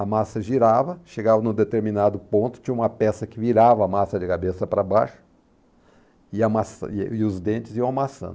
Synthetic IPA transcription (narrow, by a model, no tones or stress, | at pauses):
ɐmasɐʒiɾavɐʃeɡavɐnʊ̃d̪et̪eɾminad̪ʊpõnt̪ʊ̥t͡ʃĩɲɐũmɐpɛsɐkɪviɾavɐːmasɐd͡ʒɪkabesɐpɾɐbajʃʊ̥ | ɪɐmasɪʊzd̪ẽnt͡ʃɪzijɐ̃w̃amasɐ̰̃nd̪